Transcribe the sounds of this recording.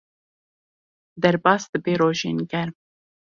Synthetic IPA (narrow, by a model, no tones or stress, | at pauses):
d̪ɛɾbɑːsd̪ɨbeːɾoːʒḛːnɡɛɾm